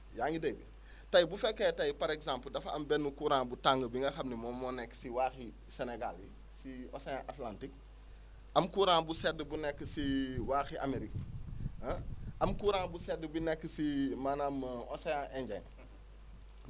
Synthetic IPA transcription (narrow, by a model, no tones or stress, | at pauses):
jaːŋɡideɡ | tajibufekːetajipaɾekzãmpldɐfa̰mbenːukuɾãːŋbutãŋɡəbiŋɡaxabnimomonekːsiwaːxi | seneɡali | siosejãʔatlantik̚ | ʔamkuɾãːbusedəbunekːsiwaːxiʔa̰meɾik | ʔamkuɾãːŋbusedəbinekːsimanamʔosejãʔẽɲɟã̰n